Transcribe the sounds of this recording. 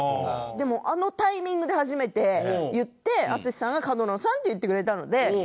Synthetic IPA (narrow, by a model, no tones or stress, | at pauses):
d̪e̞mo̞ʔano̞t̪aimʲĩŋɡɯ̟d̪e̞haʑime̞t̪e̞jɯ̟t̪ːe̞at͡sɨɕʲi̥sãŋɡakad̪onõsãnt̪ːe̞jɯ̟t̪ːe̞kɯ̟ɾe̞t̪ano̞̰d̪e̞